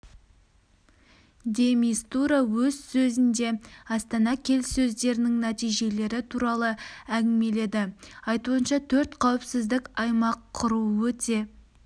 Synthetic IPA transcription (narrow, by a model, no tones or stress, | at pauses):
d̪ʲe̞mist̪uɾɑwɵzsɵzɪnd̪e̞ɑst̪ɑnɑkʲʰe̞lsɵzd̪e̞ɾɪnɪŋnæt̪ijʒe̞le̞ɾɪt̪ʰuɾɑlˠəæɡʲɪme̞le̞d̪ɪɑjt̪uənʃɑt̪ʰɵɾt̪qʰɑwɪpsɪzd̪ɪkʲɑjmɑqʰːʊɾuwɵt̪e̞